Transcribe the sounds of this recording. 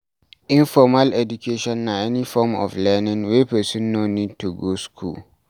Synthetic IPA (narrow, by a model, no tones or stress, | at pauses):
ĩnfɔmalɛdukʰeʃɔ̃nːaɛnifɔːmɔ̰flɛnɪ̃ŋwɛpɛsɛ̃nːoniːd̚tʰuɡoskʰṵːl